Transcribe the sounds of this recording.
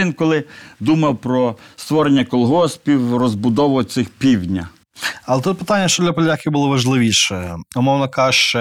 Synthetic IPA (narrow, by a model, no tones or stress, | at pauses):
inkɔlˠɪd̪umɐwpɾɔst̪ʋɔɾenʲːɐkɔlˠɦɔspʲiwrɔzbʊd̪ɔʋʊt̪sɪxpʲiwʲnʲɐ | ɐlˠɛt̪ut̪̚pɪ̥t̪anʲːɐʃt͡ʃɔd̪lʲɐpɔlʲakʲiwbʊlˠɔʋɐʒlˠɪʋʲiʃɛʊmɔwnɐkɑʃt͡ʃɛ